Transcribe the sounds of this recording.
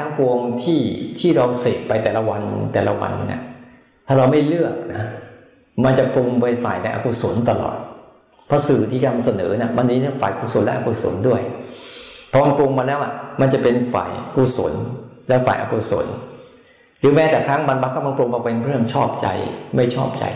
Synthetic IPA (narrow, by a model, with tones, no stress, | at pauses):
a˦˥ŋpo˧əŋt̪ʰiː˥˩t̪ʰiː˥˩ɾa˧wseː˨˩t̚pa˧jt̪ɛː˨˩la˦wa˧nt̪ɛ̰ː˨˩la˦˥wa̰˧nnḭ˥˩ | t̪ʰaː˥˩ɾa˧wma˥˩jlɯ˥˩ək̚na˦˥ | ma˧nt͡ɕa˨˩plo˧ŋpa˧jfa̰ː˨˩jna˧jʔa̰ː˧ku˧˩so˩˦nt̪a˧lɔ̰ː˨˩t̪̚ | pʰɔ˦˥sɯː˨˩t̪ʰiː˥˩ka˧nma˧sa˧nɤ̰ː˩˦ni˦˥˩wa˧nːiː˦˥na˥˩faː˨˩jkʰu˨˧˩so˨˩˦nlɛ˦˥ʔaː˧ku˧˩so̰˩˦ndu˥˩əj | pʰɔ˦˥ma˧nplo˧ŋma˧nlɛː˦˥wʔa˨˩ma˧nt͡ɕa˨˩pe˧nfa̰ː˨˩jku˧˩so̰˨˩˦nlɛ˦˥fa̰ː˨˩jʔa̰ː˧ku˧˩so̰˩˦n | ɾɯː˨˦mɛː˦˥t̪ɛː˨˩kʰɾa˦˥ŋma˧nba˦˥kʰːa˥˩ma˧npo˧ŋpa˧pa˧pʰɾɯ˥˩əmt͡ɕʰɔː˥˩p̚t͡ɕa̰˧jma˥˩jt͡ɕʰɔː˥˩p̚t͡ɕa̰˧j